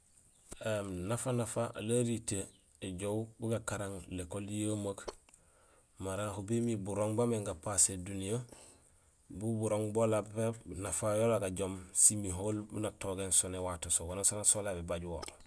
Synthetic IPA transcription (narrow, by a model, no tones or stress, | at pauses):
emnafanafaʔlaɾite | eɟowbuɡakaɾaŋlekoljəmak | maɾahubemibuɾoŋbameŋɡapasedunijo | bubuɾoŋbolapenafajolaɡaɟomsimiɦoːlbṵnatoɡensonewatosowanasonasolabebaɟuwo̰